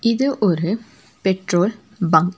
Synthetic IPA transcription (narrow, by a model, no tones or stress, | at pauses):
iðɨʔoɾɯ | peʈroːl | bɐŋ